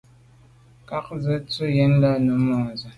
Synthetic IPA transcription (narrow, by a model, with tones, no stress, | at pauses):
ka˦k̚zə˦t͡su˦jɛ˨˦n̩˦la˦nu˨˦mɔ˨zə˨